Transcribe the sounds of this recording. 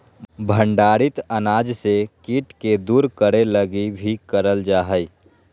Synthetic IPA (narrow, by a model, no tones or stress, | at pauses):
bʱə̃ɳɖaːɾɪt̪ənaːd͡ʒsekiːʈked̪uːɾkəɾeləɡibʱikəɾəld͡ʒaːɦəi